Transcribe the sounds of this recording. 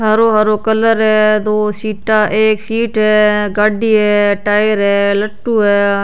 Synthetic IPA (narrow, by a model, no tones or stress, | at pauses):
ɦɐɾoːɦɐɾoːkələɾɦɛːd̪oːsiːʈaʔeːksiːʈɦɛːɡaɖiɦɛːʈaːjəɾɦɛːləʈːuːɦɛː